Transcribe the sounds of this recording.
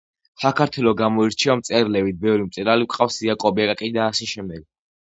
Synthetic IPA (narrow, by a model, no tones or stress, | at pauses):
sakʰaɾt̪ʰwɛlɔɡamɔiɾt͡ʃʰɛamt̪sʼɛɾlɛvit̪̚bɛvɾimt̪sʼɛɾaliwqʼafsiakʼɔbakʼakʼid̪aːsɛʃɛmd̪ɛɡ̥̚